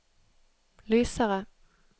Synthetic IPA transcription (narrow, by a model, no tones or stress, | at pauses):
lyːsaʁə